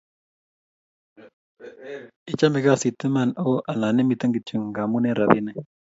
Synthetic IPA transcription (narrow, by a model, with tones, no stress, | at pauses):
ɪ˨t͡ʃa˦mɪ˨ka˦˨si˨t̪ɪ˦ma˦˨na˦o˦ʔa˨na˨ne˦mi˨t̪a˦ŋɡi˨t͡ʃi˨ŋ˨ŋɡa˨mu˦ne˦ɾa˨bi˦nɛ˦